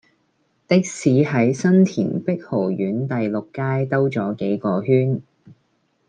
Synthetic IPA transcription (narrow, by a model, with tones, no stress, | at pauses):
t̪ɪ˥k̚siː˨˧ɦɐ˨˥jsɐ˥nt̪ʰḭː˨˩npɪ˥k̚ho˨˩wjyː˨˥nt̪ɐ˨jlʊ˨kːaː˥jt̪ɐ˥wt͡sɔː˨˥ke˨˥jkɔː˧ɦyː˥n